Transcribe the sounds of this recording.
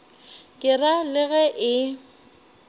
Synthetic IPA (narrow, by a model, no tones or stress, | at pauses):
kʼɪralɪɣɛʔɪ